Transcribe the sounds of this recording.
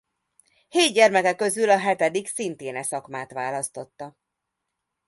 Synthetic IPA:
heːd̪ɟɛrmɛkɛkːø̞zylɒɦɛt̪ɛd̪iksint̪eːnɛsɒkmaːt̪ʋaːlɒst̪o̞t̪ːɒ

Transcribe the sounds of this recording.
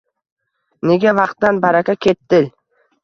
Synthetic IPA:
ne̞ɡʲavɑqt̪ːanbaɾakʲakʲʰe̞t̪ːɪl

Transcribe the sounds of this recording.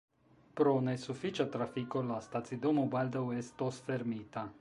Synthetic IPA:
pɾonesufit͡ʃat̪ɾafikollast̪at̪sid̪omubald̪awest̪osfeɾmit̪a

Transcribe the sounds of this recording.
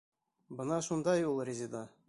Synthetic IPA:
bənɑʃund̪ɑjulˠrʲezʲed̪ɑ

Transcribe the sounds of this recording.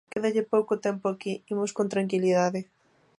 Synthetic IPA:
keðeʎepowkot̪ɛmpoakiimoskont̪ɾaŋkiliðaðɪ

